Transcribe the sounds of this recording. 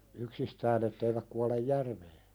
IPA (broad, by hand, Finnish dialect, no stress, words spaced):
yksistæːn etːeiʋæk kuɑlej jærʋeː